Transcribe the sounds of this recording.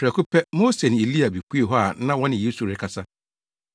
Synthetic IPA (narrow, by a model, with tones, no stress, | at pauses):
pʰɾɛ˨ku˦pʰɛ˦mo˦se˨nɪ̃˨e˨li˦a˨bi˨kʰu˦e˨ɦɔ˦a˨˦nã˦wɔ̃˦nɪ̃˨je˦su˨ɾɪ˦kʰa˨sa˦